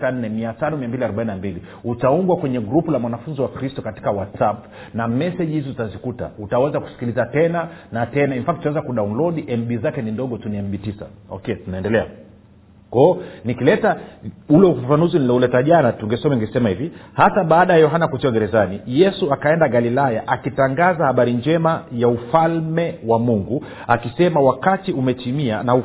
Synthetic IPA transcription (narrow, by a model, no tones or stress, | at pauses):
an̩nːɛmiatanɔmiambiliaɾɔɓaininambili | utauŋɡwakwɛɲɛɡɾupulamwanafunziwakɾistɔkati̥kawatsap | namɛsɛʄhizizutazikuta̰utawɛzaku̥si̥kilizatɛnanatɛnaimfaktawɛzakuɗaunlɔɗiʔɛmɓizakɛnindɔɠɔtuniɛmbitisa̰ɔ̰kɛtunaɛndɛlɛa | kɔnikilɛtaulɛufafanuzinilɔulɛtaʄanatuŋɡɛsɔmɛŋɡɛsɛmahivihasaɓaːɗajajɔɦanakut͡ʃɛwaɡɛɾɛzanijɛsuakaɛndaɡalilajaʔakitaŋɡazahaɓaɾiɲd͡ʒɛmajaufalmɛwamuŋɡu | akisɛmawakatiumɛtimianau